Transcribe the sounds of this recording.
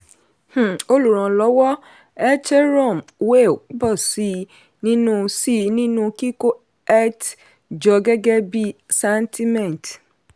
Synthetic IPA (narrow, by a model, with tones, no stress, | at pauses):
h̩˨o˦lu˨ɾɔ̃˨lɔ˨˦wɔ˦ | ɛ˦t͡ʃe˦ɾɔ˦˨mwe˦˨˦bɔ˦˨si˨ | nĩ˦nũ˦si˦nĩ˦nũ˧ki˦ko˦ | ɛ˦t | d͡ʒɔ˨ɡe˦ɡɛ˦bi˦sɛ˦ntʰi˦mɛ̃˨n˨t